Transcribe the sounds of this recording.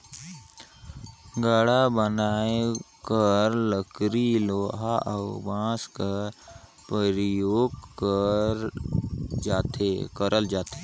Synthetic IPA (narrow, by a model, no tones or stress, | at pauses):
ɡaːɽabənaːekəɾləkɾiloːɦaʔəʊbãːskaɾ | pəɾjoːɡ̚kəɾ | d͡ʒaːt̪ekəɾəld͡ʒaːt̪e